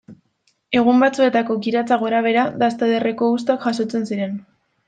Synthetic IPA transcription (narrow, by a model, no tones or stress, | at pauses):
e̞ɣ̞umbat͡sue̞t̪ako̞ɣiɾat͡saɣo̞ɾaβ̞e̞ɾaðast̪aðere̞ko̞ust̪akʝaso̞t͡se̞nsiɾe̞n